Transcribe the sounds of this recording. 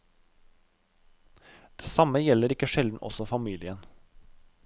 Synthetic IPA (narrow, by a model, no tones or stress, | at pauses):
d̪̥eːsɑməjɛləɾɪkːəʃɛld̪n̩ʔɔ̰sɔfɑmiːlɪən